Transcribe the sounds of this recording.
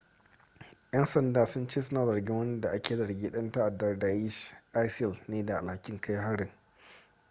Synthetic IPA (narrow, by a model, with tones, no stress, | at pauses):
jɐ˦nsɐ˨ndaː˨sʊ˦nt͡ʃeː˦sʊ˦naː˨zɐ˨rɡʲɪ˦ŋwɐ˦n˦da˨ʔa˦kʲeː˨zɐ˨rɡʲiː˦ɗɐ˦nta˦ʔa˨dɐ˦rda˨ji˦ʃʔa˦jslneː˦da˨ʔa˨lha˦kʲɪ˦ŋkʰa˦jɦa˦ɽɪ˨ŋ